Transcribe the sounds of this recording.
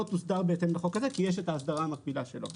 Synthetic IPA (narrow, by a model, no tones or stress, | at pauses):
ot̪usd̪aʁbe̞et̪e̞mleχo̞kazekijeʃ̬e̞taːsd̪aʁamabilaʃe̞lo̞̰